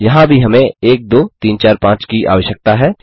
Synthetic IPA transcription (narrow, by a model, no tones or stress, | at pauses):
jɐɦãbʱiɦɐmẽeːk̚d̪oːt̪iːnt͡ʃaːɾpãːt͡ʃkiʔa̰ːʋəʃjək̚t̪aɦɛː